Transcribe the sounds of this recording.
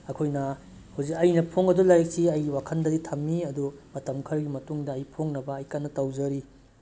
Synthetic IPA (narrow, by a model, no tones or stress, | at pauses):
ɐkʰojnɐ | huwzikɐjnɐpʰoŋɐdulajek̚siɐjiwakʰɐndɐditʰɐmːiɐdumɐtɐmkʰɐɾɐɡimɐtuŋdɐːjpʰoŋnɐbɐːjkanːɐtɐwzɐɾi